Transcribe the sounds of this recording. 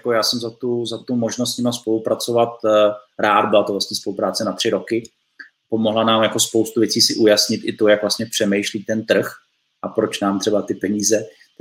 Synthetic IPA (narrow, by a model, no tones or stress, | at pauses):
akojaːsɛmzat̪uzat̪umoʒnos̬t̪ɲɪmalspo̞lupɾat͡so̞vat̪̚ɾaːd̪̚bɪlat̪ovlast̪ɲɛspo̞lupɾaːt͡sɛnat̪r̝̥ɪɾo̞kɪ | po̞mo̞ɦlanaːmjako̞spo̞wst̪uvjɛt͡siːsɪʔujasɲɪt̪ʔɪt̪o̞jakvlast̪ɲɛpr̥ɛmɛjʃliːt̪ɛnt̪r̩x | ʔapɾo̞t͡ʃnaːmt̪r̥ɛbat̪ɪpɛɲiːzɛ